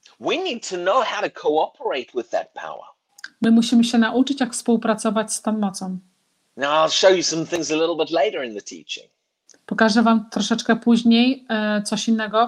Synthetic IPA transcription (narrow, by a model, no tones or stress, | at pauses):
winiːd̚tʰənoʊhaʊɾəkʰoʊɔpʰəɹeɪt̚ʰwɪðə̰t̚pʰa̰ʊə̰ | mɘmuɕimɘɕɛnaʔut͡ʂɘt͡ɕjakfspuwpɾat̪sɔvat͡ɕst̪anmɔt̪sɔm | naʊaɪlˠʃoʊjɨsʌ̃mθɪ̃ŋzəlɪɾl̩ˠbɪtˡleɪɾə˞ɪ̃nðətʰḭˑt͡ʃɪ̰̃ŋ | pɔkaʐɛvamt̪ɾɔʂɛt͡ʂkɛpuʑɲejt̪sɔɕinːɛɡɔ